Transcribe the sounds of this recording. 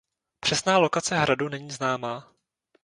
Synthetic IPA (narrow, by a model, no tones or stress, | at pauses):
pr̝̥ɛsnaːlo̞kat͡sɛɦɾadunɛɲiːznaːmaː